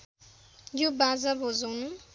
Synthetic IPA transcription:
jobad͡zabʱod͡zʌwnu

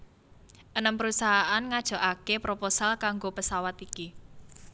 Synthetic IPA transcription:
ʔənəmpəɾusaɦaʔanŋad̥ʒ̥ɔ̤ʔakepɾoposalkaŋɡopəsawat̪iki

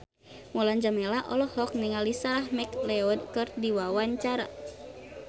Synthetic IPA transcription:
mɔland͡ʒamɛlaʔɔlɔhɔk̚niŋalisaɾahmɛklɛɔdkɨrdiwawaɲt͡ʃaɾa̰

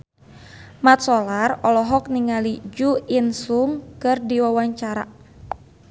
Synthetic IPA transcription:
mat̪̚sɔlarɔlɔɦɔk̚niŋalid͡ʒuinsuŋkɨrdiwawaɲt͡ʃaɾa̰

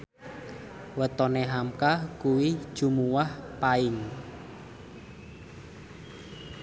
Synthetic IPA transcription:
wət̪ɔneɦamkakuwi̥ʒ̥ṳmuwahpaɪŋ

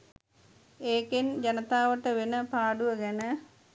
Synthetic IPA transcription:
eːkend͡ʒɐnɐt̪aːʋəʈːəʋenəpaːɖuʋəɡɛnə

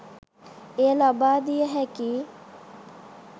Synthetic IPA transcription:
elabaːd̪ijəɦɛki

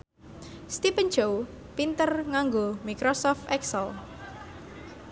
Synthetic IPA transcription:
st̪ipənd͡ʒow | pint̪ərŋaŋɡomikɾosɔft̪ɛksəl

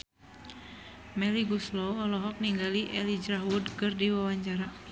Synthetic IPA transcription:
mɛliɡuslɔwɔlɔɦɔk̚niŋɡaliʔɛlid͡ʒɾaɦwudkɨrdiwawaɲt͡ʃaɾa

